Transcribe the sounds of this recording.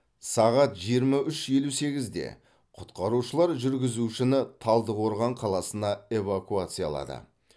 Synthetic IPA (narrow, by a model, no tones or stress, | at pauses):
sɑʁɑt̪ʒijəɾmɑʏʃje̞luse̞ɡʲɪzd̪ḛ | qʰʊt̪qɑɾuʃəlˠɑɾʒʏɾɡʲɪzuʃɪnɪt̪ʰɑlˠd̪əʁo̞ɾʁɑɴqʰɑlˠɑsənɑe̞vakuat̪sɨja̰lˠɑ̰d̪ə̰